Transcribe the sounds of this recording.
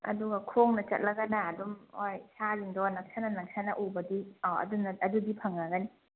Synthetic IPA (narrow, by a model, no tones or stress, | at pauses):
ɐ̰duɡɐkʰoŋnɐt͡ʃɐ̰t̚lɐɡɐnaːdumojsaziŋdɔnɐk̚sʰanɐnɐk̚sʰanɐʔubɐdiɔɐ̰dunːɐɐdudipʰɐŋːaɡɐni